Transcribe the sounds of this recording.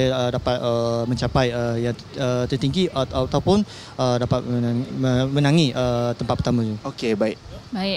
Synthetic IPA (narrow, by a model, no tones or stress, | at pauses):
jaədapat̪̚əmə̃ɲt͡ʃapajəja | ət̪ərt̪iŋɡiʔat̪at̪awpʊn | ədapat̪̚aəmənãŋiʔət̪əmpat̪̚pərt̪amãd͡ʒuokebaɪk̚bai